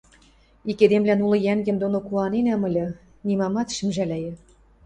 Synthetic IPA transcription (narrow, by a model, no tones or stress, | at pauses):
iked̪emlænulɤ̆jæŋɡɘ̆md̪onokuɑnenæmɤ̆lʲɤ̆ | nimɑmɑt̪ʃɘ̆mʒælʲæjɘ̆